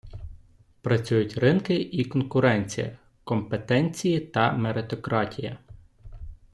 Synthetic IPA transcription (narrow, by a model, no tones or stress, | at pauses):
pɾɐt͡sʲujʊtʲrɪnkɪikɔnkʊɾɛnʲt͡sʲijɐ̰ | kɔmpet̪ɛnʲt͡sʲijit̪ɐmeɾet̪ɔkɾɑtʲijɐ